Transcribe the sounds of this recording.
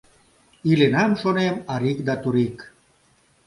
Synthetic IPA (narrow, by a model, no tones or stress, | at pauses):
ilenamʃonemaɾikd̪at̪uɾik